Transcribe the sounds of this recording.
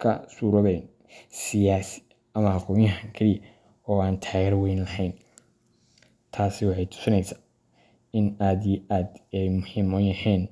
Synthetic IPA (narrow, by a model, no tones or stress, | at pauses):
kʰɐ̰suːɾɔβɛjn | sɪjaːsɪ̥ | ɐmɐhɑqɔːmjɐɦɐŋkʰɐlɪjɐ | ɔːaːnt̪ʰaːɣɛːɾwɛjnlɐhɛjn | t̪ʰaːsɪwɑħɑjt̪ʰʊ̥sɪnɛjsḁː | ɪnaːd̪ijʔaːd̪ɛjmʊhiːmɔnjɐhɛːn